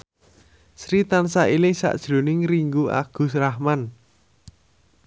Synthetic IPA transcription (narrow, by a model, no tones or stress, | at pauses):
sɾit̪ansaʔilɪŋsa̰ʔd̥ʒ̥ɾo̤nɪŋɾiŋɡua̰ɡ̥ʊ̤srahman